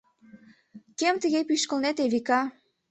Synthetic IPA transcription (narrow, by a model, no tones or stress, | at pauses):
kemt̪əɣepyʃkəlnet̪eβikɑ